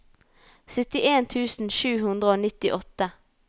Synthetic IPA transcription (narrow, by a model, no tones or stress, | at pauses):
sœt̪ɪʔeːnt̪ʰʉːsn̩ʃʉːhʉnd̪ʁəoːnɪt̪ɪʔɔt̪ə